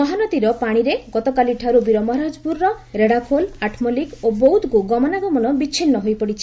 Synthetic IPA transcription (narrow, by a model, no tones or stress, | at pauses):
ɔɦanɔt̪iɾɔpaɽ̃iɾeɡɔt̪ɔkaliʈʰaɾubiɾɔmɔɾad͡ʒbuɾːɔ | ɾeɽapʰolaʈʰmɔlikobowud̪kuɡɔmɔnaɡɔmɔnɔbit͡ʃʰinːɔɦojpɔɽit͡ʃʰi